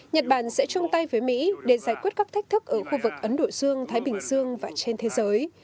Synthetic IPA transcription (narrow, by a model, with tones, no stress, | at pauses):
ɲə˨˩t̚ɓaː˧˩nsɛ̰˧˥t͡ɕʊ˧ŋ͡mt̪a˧jvəː˨˦jmḭ˧˥ɗe˧˩zaː˧˩jkwi˦˥ət̚kaː˦˥kt̪ʰɛ˦˥k̚t̪ɨ˦˥k̚ʔəː˧˩xu˧vɨ˨˩k̚ʔə˨˦nɗo̰˧˨zɨ˧əŋt̪ʰaː˨˦jɓï˨˩ŋ̟zɨ˧əŋvaː˨˩t͡ɕe˧nt̪ʰe˨˦zəː˨˦j